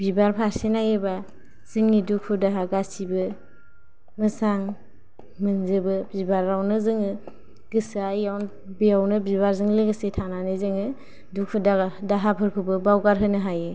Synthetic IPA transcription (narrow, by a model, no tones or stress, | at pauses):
bibaɾpʰaɾsenajɯba | z̥ɯŋnidukʰudaɦaɡasibɯ | mɯsaŋ | mɯnzɯbɯbibaɾːawnɯzɯŋɯ | ɡɯsajawn | bijawnɯbibaɾzɯŋleɡɯsetʰananɯjzɯŋɯ | dukʰudadaɦapʰɯɾkʰubɯbawɡaɾɦɯnɯɦajɯ